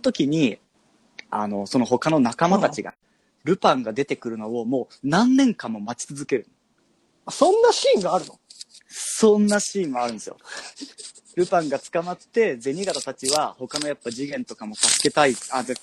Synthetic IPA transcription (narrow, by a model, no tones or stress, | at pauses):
ot̪o̞kʲiɲ̟i | a̰no̞so̞no̞ɦo̞kano̞nakamat̪at͡ɕiɡa̰ | ɾɯ̟pãŋɡad̪e̞t̪e̞kɯ̟ɾɯ̟no̞o̞mo̞ː | nãnːẽ̞ŋkãmːo̞mat͡ɕi̥t͡sɨzɨke̞ɾɯ̟̃n | asõ̞nːaɕiːŋɡaːɾɯ̟no | sõ̞nːaɕĩːmːoaɾɯ̟̃ndesɨjo̰ | ɾɯ̟pãŋɡat͡sɨ̥kamat̪ːe̞d͡ze̞ɲ̟iɡat̪at̪at͡ɕiβaho̞kano̞japːad͡ʑiɡẽ̞nt̪o̞kamo̞t̪asɨ̥ke̞t̪aia